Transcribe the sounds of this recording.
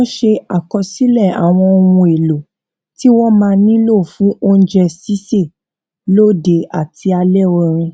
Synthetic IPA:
ɔ̃˦ʃe˧a˨kɔ˧si˦lɛ˦˨a̰˨w̃ɔ̃˧o˧wũ˧e˨lo˨ | ti˦wɔ˦mãː˧nĩ˦lo˦˨fũ˨˦ʔo˦n̩˦d͡ʒɛ˧si˦se˦˨ | lo˦˨de˧a˨ti˧a˧lɛ˦˨wɔ˧ɾ̃ĩ˧

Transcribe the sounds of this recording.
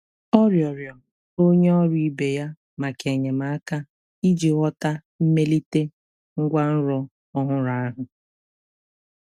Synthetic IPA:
ɔ˦ɾjɔ˨ɾjɔ˨ | o˦ɲe˦ɔ˦ɾi˨i˦be˨ja˦ | ma˨ke˨ɲe˨ma˨a˦ka˦ | i˦d͡ʒi˨ɣɔ˦ta˦ | m̩˦me˦li˦te˦ | ŋ̩˦ɡʷa˦n̩˦ɾɔ˦ | ɔ˦ɦʊ˦ɾa˦a˦ɦʊ˨

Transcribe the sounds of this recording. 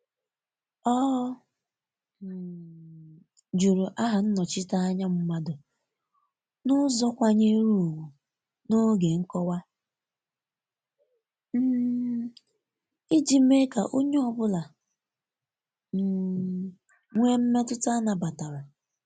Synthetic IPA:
ɔ˦˨ | d͡ʒu˨ɾu˨ʔa˦ɦa˨n̩˦nɔ˨t͡ʃɪ˦ta˦a˦ɲa˦m̩˦ma˦dʊ˨ | nʊ˦zɔ˦kʷa˦ɲe˦ɾu˦o˨wu˨ | no˦ɡe˨ŋ̩˦kɔ˦wa˦ | m̩˦ | i˦d͡ʒi˨me˦ka˨ʔo˦ɲe˦ɔ˦bʊ˦la˨ | m̩˨ | ŋʷe˦m̩˦me˦tʊ˦ta˦na˨ba˨ta˨ɾa˨

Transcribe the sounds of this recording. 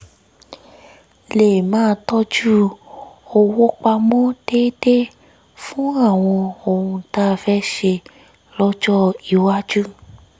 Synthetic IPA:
le˨mãː˦˧tɔ˦d͡ʒu˦ | o˧wo˦k͡pa˧mɔ̃˦d̥eː˦de˦ | fũ˦a˦˨w̃ɔ̃˧o˨ɾũ˧ta˧˦˧fɛ˦ʃe˧ | lɔ˦d͡ʒɔ˦i˨wa˦d͡ʒu˦

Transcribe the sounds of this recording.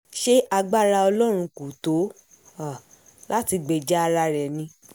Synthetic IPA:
ʃe˦a˧ɡ͡ba˦ɾa˧ɔ˧lɔ˦ɾ̃ũ˧ku˨to˨˦ | a˨ | la˦ti˧ɡ͡be˧d͡ʒɛ˦a˧ɾa˧ɾɛ˨nĩ˧˦

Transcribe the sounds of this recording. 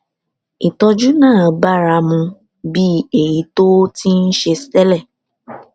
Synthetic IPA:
i˨tɔ˧d͡ʒu˦nãː˦˨ba˦ɾa˧mũ˧ | bi˦e˦˨ji˨˦to˦ti˦n̩˦ʃe˧stɛ˦lɛ˦˨

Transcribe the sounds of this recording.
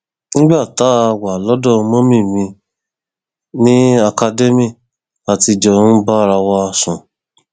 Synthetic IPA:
nĩ˦ɡ͡ba˦˨ta˨˦a˧wa˨lɔ˨˦dɔ˦˨˧mõ˦mĩ˦˨mĩ˧ | nĩ˦a˧ka˧de˦mĩ˦˨ | a˨ti˧d͡ʒɔ˧˨ñ̩˦ba˦˨ɾa˧wɔ˧a˧sũ˨

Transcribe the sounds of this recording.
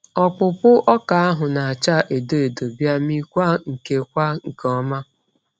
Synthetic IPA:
ɔ˨k͡pʊ˨pʊ˦ʔɔ˦ka˨a˦ɦʊ˨na˨a˨t͡ʃa˦ʔe˨do˦e˨do˨bja˦mi˦kʷa˦ŋ̩˨ke˦kʷa˦ŋ̩˨kɔ˦ma˦

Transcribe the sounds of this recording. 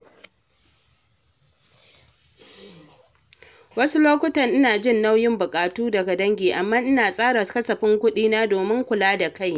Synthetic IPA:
wɐ˦su˦loː˦kʷʊ˦tɐ˨ŋʔɪ˦naː˨d͡ʒɪ˦˨nːa˦wjɪ˦mbʊ˨kʼaː˨tuː˦dɐ˨ɡa˨dɐ˦ŋɡʲeː˨ʔa˨mːaː˦ʔɪ˦naː˨sʼaː˦ɽɐ˨kɐ˦sɐ˨ɸɪ˦ŋkʷʊ˦ɗiː˦naː˦doː˨mɪ˦ŋkʷʊ˨laː˦da˨ka˦j

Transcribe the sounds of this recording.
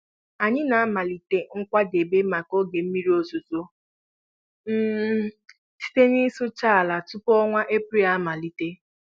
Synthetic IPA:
a˨ɲɪ˦na˨a˦ma˨li˨te˦ŋ̩˦kʷa˦de˨be˦ma˨ko˦ɡe˨m̩˦mi˦ɾi˦o˦zu˨zo˦ | m̩ː˦ | si̥˦te˦ni˦sʊ˦t͡ʃa˦˨a˨la˨tu˦pɔ˦ŋʷa˦ʔe˦pɾi˦a˦ma˨li˨te˦

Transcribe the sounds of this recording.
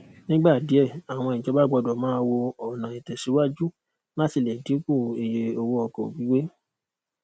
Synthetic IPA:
nĩ˦ɡ͡ba˦˨di˨˦ɛ˦˨a˨w̃ɔ̃˧i˨d͡ʒɔ˨˦ba˦ɡ͡bɔ˧dɔ˨mãː˨˦wo˧ɔ˨nã˨i˨tɛ˨si˨˦wa˦d͡ʒu˦ | la˦ti˨lɛ˨di˨˦ku˦˨e˨je˧o˧wo˦ɔ˧kɔ˨wi˨˦we˦

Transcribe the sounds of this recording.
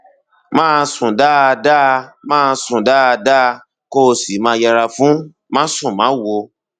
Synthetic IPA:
mãː˦˧sũ˨da˦˧da˦˧mãː˦˧sũ˨da˦˧da˦˧ | ko˦˧˨si˨˦mãː˧jɛ˧ɾa˧fũ˨˦ | mã˦sũ˦˨mã˨˦˨wo˧

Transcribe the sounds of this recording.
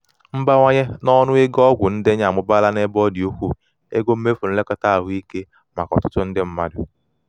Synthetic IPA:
m̩˦ba˦ŋʷa˦ɲe˦nɔ˦nʊ˦e˦ɡɔ˦ɡʷʊ˨n̩˦de˦ɲ˦a˨mʊ˦ba˦la˦ne˦bɔ˦di˨o˦kʷu˦˨ | ḛ˦ɡo˦m̩˦me˦fu˨n̩˦le˦ka˦ta˦a˨ɦʊ˦i˦ke˦ | ma˨kɔ̰˨tʊ˦tʊ˦n̩˦dɪ˦m̩˦ma˦dʊ˨

